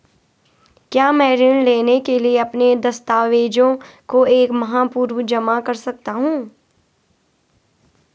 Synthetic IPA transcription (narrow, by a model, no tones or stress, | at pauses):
kjaːmɛ̃ːɾɪnleːnekelieɐpned̪ɐst̪aːʋeːd͡ʒõkoeːkmɐɦaːpuːɾʋd͡ʒɐmakɐɾsɐk̚t̪aɦũː